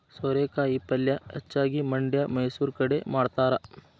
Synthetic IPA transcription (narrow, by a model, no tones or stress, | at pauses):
sɐɾeːkaːjipɐljɐḛt͡ʃːaːɡimɐɳɖjɐmɐjsuːɾkɐɽemaːɖt̪aːɾɐ